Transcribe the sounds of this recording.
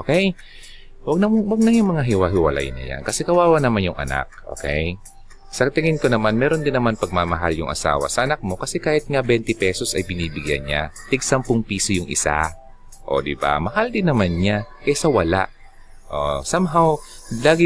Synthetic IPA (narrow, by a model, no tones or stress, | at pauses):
ʔokɛj | wɐɡnɐwɐɡ̚nɐŋjʊŋmɐŋaɦɪwaɦɪwɐ̰la̰jnɐ̰ja̰nkɐsɛkɐwaːwɐnɐmanjʊŋʔɐ̰na̰k̚ʔo̰ːkɛ̰j | sɐt̪ɪŋɪnkonɐmanmɛːɾo̞nd̪ɪnːɐmanpɐɡ̚mamɐɦaljʊŋʔɐ̰sa̰ːwɐ̰sɐʔɐnak̚mo̞kɐsɛkaːhɪt̪̚ŋabɛnt̪ɛpɛːso̞sɐjbɪniːbɪɡja̰nɲa̰t̪ɪɡ̚sɐmpʊŋpiːsojʊŋʔɪ̰sa̰ | ʔo̞̰d̪ɪba̰mɐhald̪ɪnːɐmanɲakɛsɐwɐla̰ʔ | ʔosamɦaw | laːɡɪ